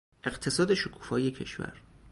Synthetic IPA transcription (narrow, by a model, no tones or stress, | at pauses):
ʔe̞ɢt̪ʰe̞sɒːd̪e̞ʃokʰu̥ːfɒːjecʰe̞̰ʃvæ̰ɾ